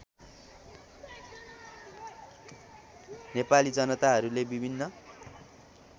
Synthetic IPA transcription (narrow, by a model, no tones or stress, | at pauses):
nepalid͡zʌnʌt̪aɦʌɾulebibʱinːʌ